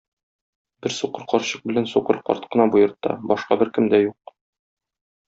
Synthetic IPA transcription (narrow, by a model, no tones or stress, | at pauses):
bɘɾsuqɤɾqɒɾɕɤq̚bɘ̆lænsuqɤɾqɒ̰ɾt̪qɤ̆nɑbujɤ̆ɾt̪ːɑ̰bɒʃqɑbɘɾkɘ̆md̪æjuq